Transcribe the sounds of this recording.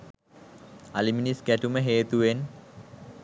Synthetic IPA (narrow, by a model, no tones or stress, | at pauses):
aliminisɡæʈuməɦeːt̪uʋen